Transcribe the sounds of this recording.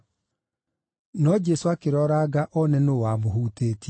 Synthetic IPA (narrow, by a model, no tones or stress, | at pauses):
nɔd͡ʒɛsoakeɾɔɾaɡaʔɔnɛnowamoɦuːteːtiɛ